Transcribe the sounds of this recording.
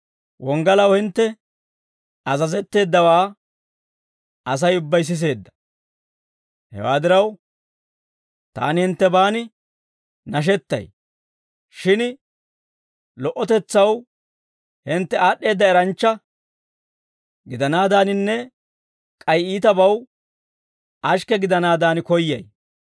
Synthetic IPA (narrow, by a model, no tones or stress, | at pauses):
wʔɔŋɡɐlɐwhɪnt̪ːɛ | ɐzɐzɛt̪ːe̞ːd̪ːɐwaː | ɐs̬ɐjʊbːɐjs̬ɪs̬e̞ːd̪ːɐ̥ | hɛ̰wa̰ːd̪ɪɾɐw | t̪a̰ːnɪhɪnt̪ːɛbaːnɪ | nɐʃ̬ɛt̪ːɐ̰j | ʃɪn | lɔʔɔt̪ɛt͡sːɐw | hɪnt̪ːɛaːɗːe̞ːd̪ːɐɛɾɐnt͡ʃːɐ | ɡɪd̪ɐnaːd̪aːnɪnːɛ | kʼɐjiːt̪ɐbɐw | ɐʃkɛɡɪd̪ɐnaːd̪aːnkɔjːɐ̰j